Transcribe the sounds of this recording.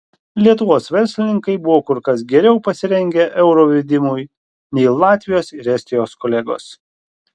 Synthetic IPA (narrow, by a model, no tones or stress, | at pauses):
lʲiɛt̪ʊʋoːsʋʲɛɾʲsʲlʲɪnʲɪŋkɐɪbʊʋoːkʊɾkɐs̬ɡʲɛɾʲɛʊpɐsʲɪɾʲɛŋʲɡʲɛʔɛʊɾoːʋʲɪd̪ʲɪmʊj | nʲɛɪlˠɑːt̪ʲʋʲɪjoːsɪɾɛsʲt̪ʲɪjoːskoːlʲɛɡo̰ːs